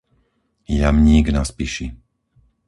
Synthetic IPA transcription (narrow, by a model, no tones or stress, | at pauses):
jamɲiɡnaspiʃi